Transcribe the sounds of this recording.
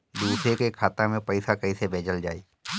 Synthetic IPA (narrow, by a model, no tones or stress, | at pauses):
d̪uːsɾekekʰaːt̪ãmẽpəɪsakɐisebʱeːd͡ʒəld͡ʒa̰ːiː